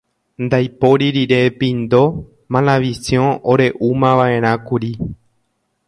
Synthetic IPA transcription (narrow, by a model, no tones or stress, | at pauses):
nd̪ajpo̞ɾiɾiɾe̞pĩnd̪o̞ | mãlãʋisjõʔoɾe̞ʔumãʋae̞ɾ̃ãkuɾi